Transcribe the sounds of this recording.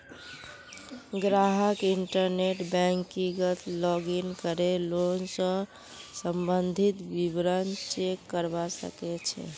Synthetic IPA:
ɡɾaɦəkiɳʈəɾneʈbɛŋkiɡət̪lɔɡinkəɾelonsə̃ | səmbənd̪ʱit̪bibɾənt͡ʃekːəɾbasə̰kɛt͡ʃʰɛ̰

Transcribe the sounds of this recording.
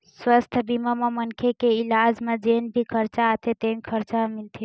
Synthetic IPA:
swəst̪ʰbimamamənkʰekeilad͡ʒmẽd͡ʒenbʱikʰəɾt͡ʃaːt̪ʰet̪enkʰəɾt͡ʃamilt̪ʰi

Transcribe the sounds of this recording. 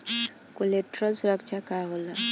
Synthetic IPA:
koleʈɾɔlsuɾəkt͡ʃʰakaɦola

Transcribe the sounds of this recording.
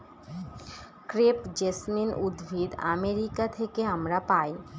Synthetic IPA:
kɾepd͡ʑesminud̪bʱid̪a̰meɾikat̪ʰekeɦəmɾapai

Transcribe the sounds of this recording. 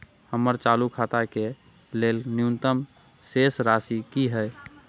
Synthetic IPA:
həmːəɾt͡ʃalukʰat̪ake | lelnjunt̪əm | sesɾasikiɦəj

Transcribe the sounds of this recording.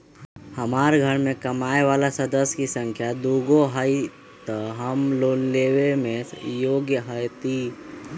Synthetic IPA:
hɐmaːɾɡʱəɾmẽkɐmaːeʋaːlasɐd̪əskisə̃ŋkʰjad̪uːɡoɦəi | t̪əɦɐmloːlleːʋemẽjoːɡjəɦəjt̪iː

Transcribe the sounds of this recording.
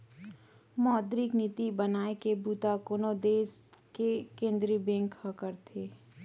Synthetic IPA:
mɔːd̪ɾiknit̪ibənaːekebuːt̪akoːnod̪eːskekẽːnd̪ɾibẽːŋkhɐkəɾt̪ʰeː

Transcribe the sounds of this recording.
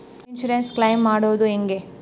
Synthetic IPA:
inʃuɾensklɐjmːaːɽoːd̪ueŋɡe

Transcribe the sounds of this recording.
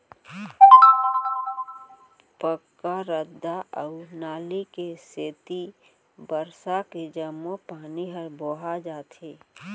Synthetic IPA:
pəkːaɾəd̪ːaʔəʊnaːlikeseːt̪i | bəɾsaked͡ʒəmːopaːniɦəɾboɦad͡ʒaːt̪ʰeː

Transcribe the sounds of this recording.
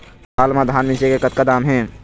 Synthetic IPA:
aːlmad̪ʱaːnmɪ̃nt͡ʃekekət̪kad̪aːmɦɛ̃ː

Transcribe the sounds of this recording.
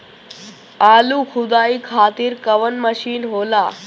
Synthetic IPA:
aːluːxʰud̪aːikʰaːt̪iːɾkəʋənməɕiːnɦola

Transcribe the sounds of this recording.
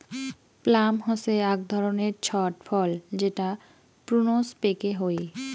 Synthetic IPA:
plamɦɔseaɡ̚d̪ʱɔɾoneɾt͡ɕʰɔʈfʰɔld͡ʑeʈa | pɾunospekeɦoe

